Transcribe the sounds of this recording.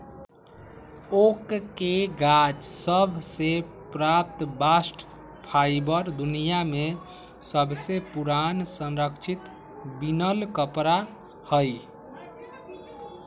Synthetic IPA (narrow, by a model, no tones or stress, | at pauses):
okkeɡad͡ʒsəbʱse | pɾap̚t̪basʈ | pʰajbəɾd̪unijame | səbʱsepuɾansə̃nɾəkt͡ʃʰit̪ | binəlkəpɾa | həj